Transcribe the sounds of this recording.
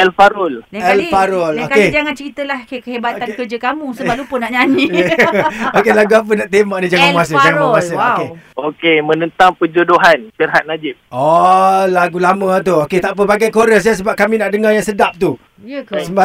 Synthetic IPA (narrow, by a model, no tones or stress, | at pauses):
ɛlfaɾʊlɛlfaɾʊlokaed͡ʒaŋant͡ʃəɾit̪əlahkakəɦebat̪ankərd͡ʒəkamũsəbap̚lupənaʔɲanĩ | okelaɡuap̬ənaʔt̪emaʔnid͡ʒaŋanuas̬əd͡ʒaŋannauasəokeokemə̃nə̃nt̪aŋpəd͡ʒodoɦanpirɦat̪̚nad͡ʒɪp̚olaɡulamət̪̬uoket̪aʔpəbaɡajkoɾəs̬as̬əbap̚kamĩnaʔdəŋajaŋsədap̚t̪u | jsəba